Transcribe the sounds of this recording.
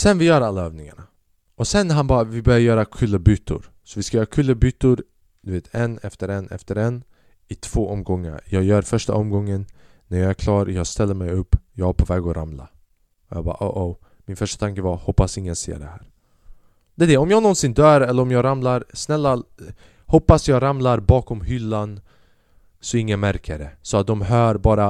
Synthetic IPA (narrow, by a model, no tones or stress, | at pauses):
sɛnvɪjœːɾalːaœːvnɪŋaɳa | ʔɔsɛnɦanbɑːɾavɪbœɾjaɾjœːɾakʰʉlːəbyt̪ːʊ̰ɾ | sɔvɪskajœːɾakʰɵlːəbyːt̪ːʊɾ | d̪̥ɵveːt̪ʰɛnɛ̰ft̪əɾɛnɛ̰ft̪əɾɛn | ɪt̪ʰv̥oːʔɔmɡɔŋːə̰ɾjɑːɡjœːɾfœʂʈa̰ʔɔmɡɔŋːənː | æɾjɑːæɾkʰlɑːɾjɑːɡst̪ɛlːəɾmɛjɵpːjɑːɡæpʰovɛːɡɔɾʔa̰mla̰ | ɔjɑ̰ːbɑ̰ːʔo̰ʔo | mɪnfœʂʈḁt̪ʰaŋkəvaɾhɔpːasɪŋːənsḛːɖɛhæːɾ | d̪̥ɛːd̪ɛɔmjɑːɡnɔnsɪnd̪œːɾɛlːəɾɔmjɑːɡɾamlaɾsnɛlːa | hɔpːasjɑːɡɾamlaɾbɑːkɔmhʏlːan | sɔɪŋːənmæɾkʰəɾɛsɔat̪̚d̪ɔmɦœːɾbɑːɾa